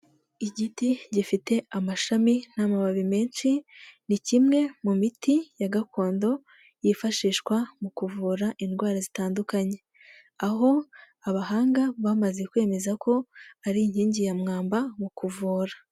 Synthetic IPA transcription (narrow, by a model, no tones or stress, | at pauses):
iɟitiɟifite̞amaʃamin̥amaβaβime̞ːnt͡ʃinicimŋe̞mumitijaɡako̞ːndo̞ | jifaʃiːʃkwamukuvuːɾaʔinɡwaːɾazitaːndukaɲe̞ | aɦo̞ | aβahaːŋɡaβamaze̞kwe̞ːme̞zako̞aɾiɲhiːɲɟijamŋaːmbamukuvuːɾḁ